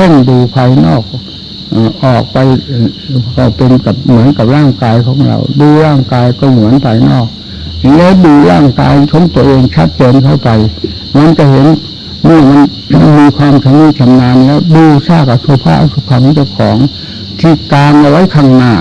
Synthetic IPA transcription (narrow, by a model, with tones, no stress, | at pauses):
ɛ˥˩ŋduː˧pʰaː˧jnɔː˥˩k̚ | ʔːʔɔː˨˩k̚pa˧j | ka˧˩wpe˧nka˨˩p̚mɯ˩˦ənka˨˩p̚ɾaː˥˩ŋkaː˧jkʰɔ̰ː˩˦ŋɾa̰˧wduː˧ɾaː˥˩ŋkaː˧jkɔː˥˩mu˩˦ənpʰa˧jnɔ̰ː˥˩k̚ | ji˧˩˦lɛː˦˥˩duː˧ɾaː˥˩ŋka̰ː˧jkʰɔː˩˦ŋt̪u˧əʔeː˧ŋt͡ɕʰa˦˥t̪̚t͡ɕeː˧nkʰa˥˩wpa˧j | ma˧nka˧˩ɦe˩˦n | mɯ˥˧˥ɐma˧n | miː˧kʰwaː˧mt͡ɕʰa˧muː˧˥˩k̪ʰa˧mnaː˧nlɛ˦˥˩wduː˧saː˧˥˩ka˧˩su˧˦ɐpʰa̰ː˥˩su˧˩pʰaː˧˩kʰːt͡ɕa˧˥˩wkʰɔː˩˦ŋ | t̪ʰiː˧˥˩kaː˧nʔa˧wa˦˥jkʰaː˧˥˩ŋnaː˧˩